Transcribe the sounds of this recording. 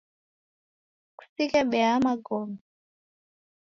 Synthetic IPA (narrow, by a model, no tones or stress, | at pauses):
ku̥sikɛɓɛamaɡɔmɛ